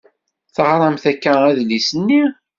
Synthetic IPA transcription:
θəʁɾˤɑmθækːææðlisənːi

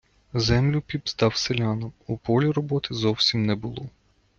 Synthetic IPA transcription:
zɛmlʲʊpʲibst̪ɑwselʲɑnɔmupɔlʲiɾɔbɔt̪ɪzɔwsʲimnɛbʊlˠɔ

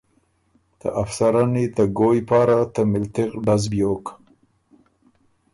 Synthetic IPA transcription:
t̪ə̰ʔafsaɾanit̪aɡojpɑɾat̪əmɪlt̪ɪqɖazbjok

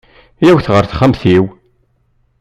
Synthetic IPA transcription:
jæwθʁəɾθχæmθiw

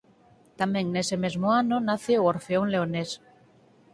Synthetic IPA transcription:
t̪ameŋneseme̞zmoanonaθeooɾfeoŋleones

